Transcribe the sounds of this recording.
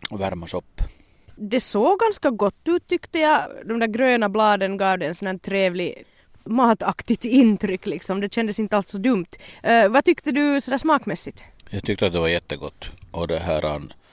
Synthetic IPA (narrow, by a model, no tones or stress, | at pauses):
væɾmasɔpː | d̪ɛsoːɡɡanskaɡɔt̪ːʉːt̪ʰːʏkt̪əjɑɡd̪ɔmd̪æːɾɡɾøːnablɑːd̪ənɡɑːvd̪ɛːnsɔnæːt̪ʰɾeːvlɪ | mɑːt̪ɑkt̪ɪt̪ɪnt̪ɾʏkːlɪksɔmd̪ɛɕɛnd̪əsɪnt̪əalt̪sɔd̪ɵmt̪vɑt̪ʏkt̪əd̪ʉsɔd̪æːʂsmɑːkmɛsːɪt̪ | jɑːɡt̪ʰʏkt̪əat̪̚d̪ɛvaɾjɛt̪ːəɡɔt̪ːʔɔd̪ɛɦæːɾa̰n